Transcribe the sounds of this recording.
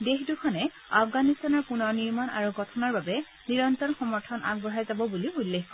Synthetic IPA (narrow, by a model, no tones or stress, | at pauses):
dexdukʰɔnɛ | afɡanistanɔɹpunɔɹniɹmana̰ɹuɡɔtʰɔnɔɹbabɛ | niɹɔntɔnxɔmɔɹtʰɔnʔa̰ɡ̚bɔɹɦajzabɔbuliulːexkɔ